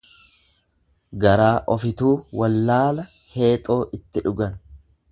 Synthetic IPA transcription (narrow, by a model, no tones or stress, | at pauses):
ɡɐɾaːʔɔfɪt̪uːwɐlːaːlɐ | he̞ːt̪ʼo̞ːʔɪt̪ːɪᶑʊɡɐn